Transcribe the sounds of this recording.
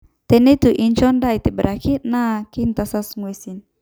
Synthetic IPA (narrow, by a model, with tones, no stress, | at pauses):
t̪ɛ˨ni˦t̪u˨ʔint͡ʃɔ˦nda˦it̪e˨bəɾʔa˨kʰi˦t̪̚na˦ki˦nt̪asa˦sŋue˨sin